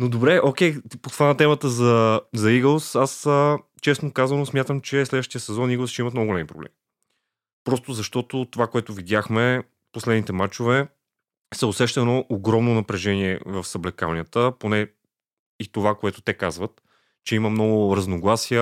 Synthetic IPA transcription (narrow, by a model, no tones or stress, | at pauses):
nod̪obɾɛʔokʲɛjpot̪ovanɐt̪ɛmət̪əzɐzɐiɡəlˠsasə | t͡ʃɛsnokazənosmʲjat̪əmt͡ʃɛslɛd̪vəʃt̪ijəsɛzɔniɡlˠsʃt͡ʃɛimət̪nɔɡʊɡolɛmipɾoblɛ̰mi | pɾɔst̪ʊzɐʃt̪ɔt̪ʊt̪ovakoɛt̪ʊvid̪ʲjaxmɛ | poslɛd̪nit̪ɛmat͡ʃovɛ | sɛosɛʃt̪ənoʔːɡɾɔmnonɐpɾɛʒɛniɛ̰vəfsɐblɛkavnijət̪əponɛ | it̪ovakoɛt̪ʊ̥t̪ɛkazvət̪ | t͡ʃɛiməmnɔɡʊɾɐznoɡlˠasiə